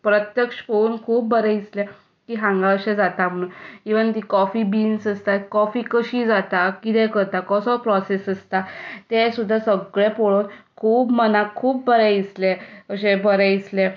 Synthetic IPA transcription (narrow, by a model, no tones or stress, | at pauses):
pɾət̪jəkʂfouːnkʰuːp̚bəɾɛ̃isle | kiːɦãŋɡaəɕẽd͡zat̪am̤əɽ̃uːnkiʋəŋt̪̬ikɔfibiːnsəst̪akɔfiːkəɕiːd͡zat̪akit̪ɛ̃kəɾt̪akɔsɔpɾɔsesəst̪at̪esud̪ʱːasəɡɭẽpoɭoːn | kʰuːpmənakʰːuːpbəɾɛisleəɕebʱəɾɛisle